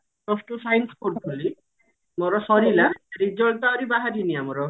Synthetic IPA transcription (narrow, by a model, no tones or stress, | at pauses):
nɔsʈusajnspoɾbuli | mɔɾɔsɔɾilaɾid͡ʒɔɭt̪aɔɾibaɦaɾiniamɔɾɔ